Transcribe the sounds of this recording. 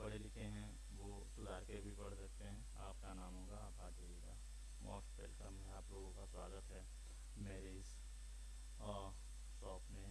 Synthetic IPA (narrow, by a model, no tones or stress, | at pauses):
ɐɽelɪkeɦɛ̃ | ʋoːsʊlaːkebʱipɐɽsɐk̚t̪eɦɛ̃ | aːpkanaːmõkapaːd͡ʒeːika̰ː | mʔɔ̰ːsʈpḛːlkəmɦɛ̃aːploːɡõkaswa̰ːɡət̪ɦɛː | mɛːɾiːz | ɔːɾ | sɔːpmẽ